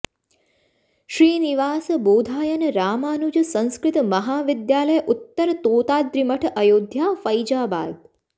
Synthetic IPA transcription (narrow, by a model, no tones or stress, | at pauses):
ʃɾiːniʋaːsboːd̪ʱaːjənɾaːmaːnud͡ʒsə̃ñskɾɪt̪məɦaːʋɪd̪jaːləjʔut̪ːəɾt̪oːt̪aːd̪ɾɪməʈʰəjoːd̪ʱjaːfəjd͡ʒaːba̰ːd̪̚